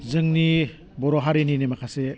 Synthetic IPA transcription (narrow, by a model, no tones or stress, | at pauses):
zɯŋni | bɔɾoɦaɾeninemakʰase